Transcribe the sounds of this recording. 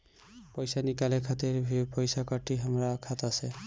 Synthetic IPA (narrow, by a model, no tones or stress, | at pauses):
pɔjsanikalɛkʰat̪eɹpɔjsakɔʈiɦamɹakʰatasɛ